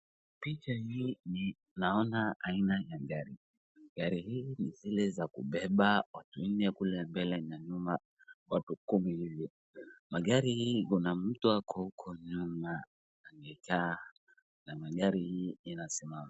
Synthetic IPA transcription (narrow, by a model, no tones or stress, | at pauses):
pit͡ʃahiːni | naɔnaainajaɠaɾi | ɡaɾihiːnizilɛzakṵɓɛɓawatun̩nɛkulɛmbɛlɛɲaɲuma | watukumihivi | maɠaɾihiːkunamm̩tuakʰɔukʰɔɲumaː | ŋɡɛka | namaɠaɾihianasɛmam